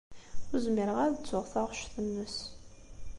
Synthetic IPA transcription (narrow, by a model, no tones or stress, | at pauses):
ʊɾzməɾəʁaɾðət͡sːʊʁθaʁʃθənːəs